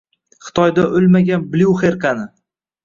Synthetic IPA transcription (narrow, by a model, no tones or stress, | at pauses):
χɨ̥t̪ʰɒjd̪aʔolmaɡʲanbluχeɾkanɪ